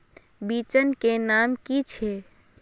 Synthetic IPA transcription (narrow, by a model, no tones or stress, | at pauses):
bit͡ʃənkenamkit͡ʃʰe